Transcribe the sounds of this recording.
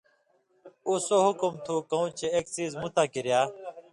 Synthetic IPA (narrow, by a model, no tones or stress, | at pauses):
uːsoːɦʊkʊmt̪ʰuːkəũːt͡ɕeeːksiːzmut̪aːkiɾjaː